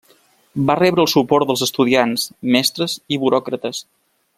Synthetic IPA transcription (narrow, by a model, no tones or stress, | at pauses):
barɛβɾəːlˠsupɔɾt̪d̪əlˠzəst̪uðiansmɛst̪ɾəziβuɾɔkɾət̪əs